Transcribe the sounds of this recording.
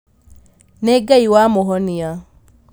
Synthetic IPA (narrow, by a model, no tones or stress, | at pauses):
neɡaiwamoɦɔnia